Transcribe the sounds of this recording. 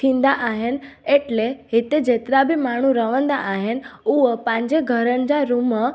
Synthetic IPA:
t̪ʰĩnd̪aʔaɦeneʈleɦit̪ed͡ʒet̪ɾabʱimaɽ̃ũɾəʋənd̪aʔaɦenuʋəpãɲd͡ʒeɡʱəɾənd͡ʒaɾumə

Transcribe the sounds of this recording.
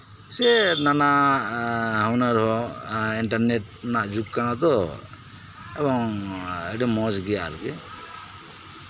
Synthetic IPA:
sɛnanaʔ | ɦawnaɾɦɔiɳʈaɾneʈ̚ | naʔd͡ʒuk̚kanat̪ɔ | ɛbɔŋɛɖimɔd͡ʒɡɛjaɾukɛ

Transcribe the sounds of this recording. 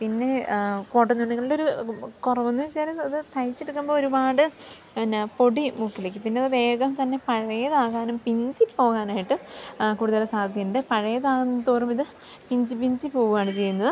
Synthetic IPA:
pinːe̞koːʈːɐniɳːiɣɐɭilo̞ɾukurɐʋunːut͡ɕeːlɐɐðɨt̪ʰɐjit͡ɕːeɽukːumboːoɾubaːɽɨ | po̞ɽimukʰːilekːɨpinːe̞ɐðɨʋe̞ːɡɐmt̪ɐnːe̞pɐɻɐjɐðaːɣaːnumpiɲd͡ʑipo̞ːɣaːnaːjiʈːɨkuːɽuðɐlɐsaːd̪ɐd̪ʱjɐɳɖepɐɻɐjɐðaːɣunːɐt̪oːrɐmiðɨ | piɲd͡ʑipiɲd͡ʑipo̞ːɣuɣaːɳɨt͡ɕe̞jːunːɐðɨ

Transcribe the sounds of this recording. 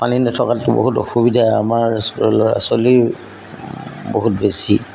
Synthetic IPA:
paninɛtʰɔkaʊbo̰ɦutɔ̰xubidʱaamaɹsa̰sɔli | boɦutbesi

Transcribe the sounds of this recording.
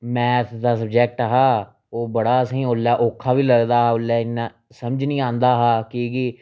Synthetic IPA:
mɛ̃ːt̪ʰd̪aːsəbd͡ʒɛːk̚ʈəɦaː | oːbəɽaːsəɦĩːolːaːʔoːkʰːaːʋiːləɡd̪aːɦaːʊlːaːɪnːãː | səməd͡ʒnĩːãːnd̪aːɦaːkiɡi

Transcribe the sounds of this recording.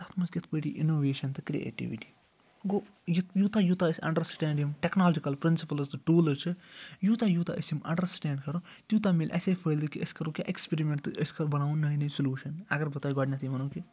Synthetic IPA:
d̪ɐst̪mɐnzɡʲɐt̪ʰpəʈḭʔḭnoːʋeːʃɐnt̪ɨkɾiḛːʈḭʋiʈi̥ | ɡo | jt̪juːt̪aːjuːt̪aːɐsʲɐ̰̃ɳɖɐɾsʈɛːɳɖimʈeknaːld͡ʒikɐlpɾɪnsipɐlɐst̪ɨʈuːlɐt͡ʃʰɨjuːt̪ajuːt̪ʰa̰ʔəsjimɐ̰̃ɳɖɐɾsʈɛːɳɖkɐɾo | t̪juːt̪ameːlʲʔɐ̰seːpʰəːld̪ɨkiəskɐɾuːkʲja̰ʔekspeɾimẽɳʈt̪ɨʔəskɐɾbɐnaːũnnɐinɐisuljuːʃɐnɐɡɐɾbɐt̪aːiɡɔːɖnɐt̪ʰimɐnõːki

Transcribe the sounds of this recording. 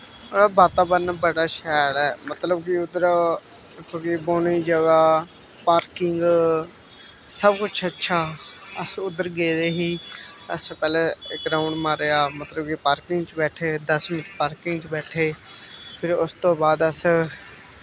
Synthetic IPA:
oaːbaːt̪aːbəɾnaːbəɽaːʃɛːɽɛːmət̪ləbkiʊd̪əɾ | koːkiboːniːd͡ʒəɡaː | paːɾkɪŋɡ | səbkʊt͡ʃʰətːʃʰaːəsʊd̪əɾɡeːd̪eːɦiːəspɛːleːɪkɡɾaːʊɳɖmaːɾeːaːmət̪ləbkipaːɾkɪŋɡt͡ʃbɛːʈʰeːd̪əsmɪt͡ʃpaːɾkɪŋɡt͡ʃbɛːʈʰeːpʰɪɾʊst̪õːbaːd̪əs

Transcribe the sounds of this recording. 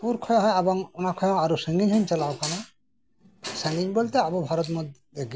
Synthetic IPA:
puɾkʰɔjɔɦɔjabɔŋɔnakʰɔjɔaɾusɯŋɡiɲɦɯnt͡ʃalawkana | saniŋbɔlt̪ɛabɔbʱaɾɔt̪mɔd̪ | eɡ

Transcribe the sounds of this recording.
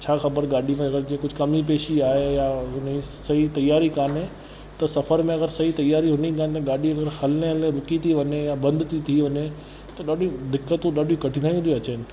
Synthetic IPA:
t͡ɕʰaːxɐbəɾɠaːɗimẽɐɡəɾd͡ʑĩːkʊd͡ʑʱkɐmip̬eːʃiaːɦejaɦʊni | sɐit̪ɐjaːɾikaːnẽ | t̪ɐsɐfəɾmẽɐɡəɾsɐɦit̪ɐjaːɾiɦʊnikaːnt̪ɐɠaːɗiɐɡəɾhɐlneəleɾʊkit̪ʰiʋɐɲejabɐ̃nd̪t̪ʰit̪ʰiʋɐɲe | t̪ɐɗaːɗĩd̪ɪkːət̪ũɗaːɗĩkɐʈʰĩnaːj̃ũt̪ʰiɐt͡ɕnɪ̆

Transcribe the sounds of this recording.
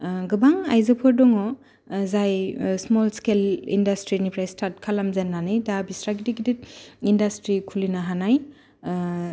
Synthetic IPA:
ɡɯbaŋajzɯpʰɔɾdɔŋɔ | zajsmɔlskelḭndastɾinipɾajstʰaɾt̚kʰalamzenːanɯjdabisɾaɡidiɡidit̚indastɾikʰulinaɦanaj

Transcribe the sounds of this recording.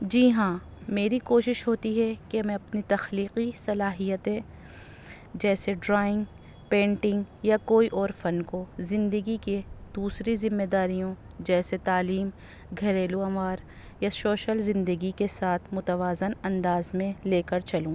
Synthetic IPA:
d͡ʒiːɦãːmeːɾikoːʃɪʃɦoːt̪iɦɛkemɛ̃ɐpnit̪ɐxliːqisɐlaːɦijət̪ẽ | d͡ʒɛːseɖɾaːɪ̃ŋɡ | pẽːɳʈɪ̃ŋɡjakoːiʔɔːɾfɐnkozɪ̃nd̪əɡiked̪uːsɾizɪmːeːd̪aːɾijõ | d͡ʒɛːset̪aːliːm | ɡʱɐɾeːluɐ̃maːɾ | jaʃoːʃəlzɪ̃nd̪əɡikesaːt̪ʰmʊt̪əʋaːzɪnɐ̃nd̪aːzmẽleːkəɾt͡ʃɐlũː

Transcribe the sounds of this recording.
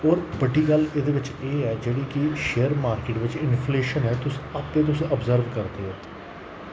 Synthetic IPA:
ɔːɾbəɖiːɡəlɪd̪eːʋɪt͡ʃeːɛːd͡ʒeːɽiːkiʃeːəɾmaːɾkeːʈʋɪt͡ʃɪnfʰleːʃənɦɛːt̪ʊsapːẽːt̪̬ʊseəbzəɾʋkəɾt̪eːɦoː

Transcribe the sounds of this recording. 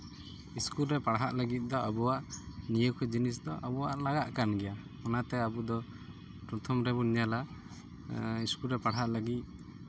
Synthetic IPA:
iskulɾɛpaɽɦaʔləɡit̪̚ˀd̪ɔabɔwaʔnijəwkʰɛd͡ʒinisd̪ɔʔabɔwaʔlaɡaʔkanɡɛja | ɔnat̪ɛabud̪ɔ | pɾɔt̪ʰɔmɾɛbuniɲala | iskulɾɛpaɽɦaʔləɡit̪̚

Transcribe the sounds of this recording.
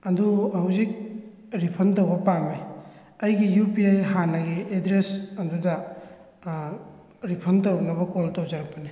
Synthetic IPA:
ɐduhɐwzik̚ | ɾipʰɐnt̬owbɐpamaj | ɐjɡijupiajɦanɐɡiedɾesɐndudɐ | ɾipʰɐntowbɐnɐbɐkoltowzaɾɐpːɐni

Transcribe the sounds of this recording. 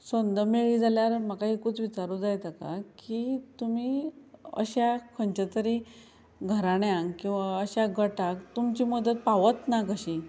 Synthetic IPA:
sənd̪əmeɭiːd͡zʱaljaɾm̤akaɦikuːt͡sʋit͡ɕaɾud͡zajt̪aka̰kit̪umiːə̰ɕakʰəɳt͡ɕat̪əɾi | ɡʱəɾaɽ̃eãŋɡkĩw̃ʋaəɕaɡʱəʈakt̪umt͡ɕiːməd̪ət̪̚paʋət̪nakəɕĩ

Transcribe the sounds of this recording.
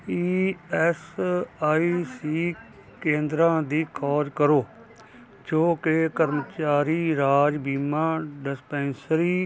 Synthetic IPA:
iːɛsaːiːsiː | kẽːnd̪ɾãːd̪iːkʰɔːd͡ʒkəɾoː | d͡ʒoːkɪkəɾmt͡ʃaːɾiːɾaːd͡ʒbiːmãːɖɪspɛ̃ːnsɾiː

